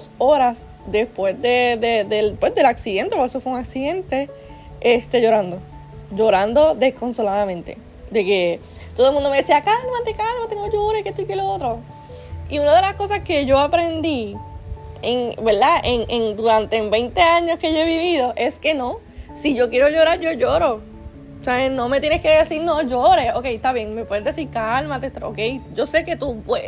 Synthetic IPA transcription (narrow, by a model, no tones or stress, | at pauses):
so̞ɾas | d̪e̞spwe̞sd̪eðed̪elpwezðe̞laksiðe̞nt̪epoesofweuŋaksiðẽ̞nt̪e̞ | est̪e̞ʝo̞ɾãnd̪o̞ | ʝo̞ɾand̪o̞ðe̞sko̞nso̞laðamẽ̞nt̪e̞̰ | d̪e̞ke̞ | t̪oðolmũnd̪omeesiakalmat̪ekalmat̪eŋnoʝoɾeket̪ojkeloot̪ɾo | iunaðe̞lasko̞s̬aske̞ʝo̞apɾe̞nd̪i | ḛŋbe̞ɾðaʔeŋʔeŋd̪uɾant̪e̞mbe̞jnt̪e̞aɲo̞ske̞ʝoe̞βiβiðo̞ʔe̞ske̞no̞ | siʝo̞kjeɾo̞ʝo̞ɾaɾʝo̞ʝoɾo | saβeno̞me̞t̪jeneske̞ðe̞siɾnõʝo̞ɾeoke̞jt̪aβje̞ŋmepweðezd̪esiɾkalmat̪et̪o̰ke̞jd͡ʒo̞se̞ke̞t̪upwe